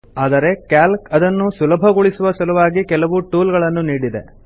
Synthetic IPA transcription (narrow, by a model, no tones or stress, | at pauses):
aːd̪ɐɾe̞kaːlkɐd̪ɐnːusulɐbʱɐɡuɭisuʋɐsɐlɐʋaːɡikɛlɐʋuʈuːlɡɐɭɐnːuniːɽid̪e̞̰